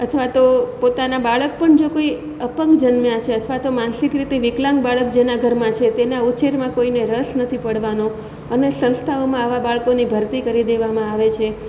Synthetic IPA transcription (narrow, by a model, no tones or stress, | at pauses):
ət̪ʰʋat̪opot̪anabaɭək̚pəɳd͡ʒekoi | əpəŋkd͡ʒənmjãt͡ʃʰeət̪ʰʋat̪omãnsikɾit̪eʋɪklãŋɡ̚baɭəkd͡ʒenaɡʱəɾmãt͡ʃʰet̪enaut͡ʃeɾmãkoineɾəsnət̪ʰipəɽʋanõ | ənesə̃ñst̪ʰaomãaʋabaɭkonibʱəɾt̪ikəɾid̪eʋamãaʋet͡ʃʰe